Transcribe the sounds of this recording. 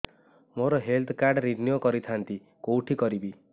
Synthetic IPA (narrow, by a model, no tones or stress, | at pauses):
moɾɔɦelt̪ʰkaɾɖɾiɾnjokɔɾit̪ʰant̪i | kowʈʰikɔɾibi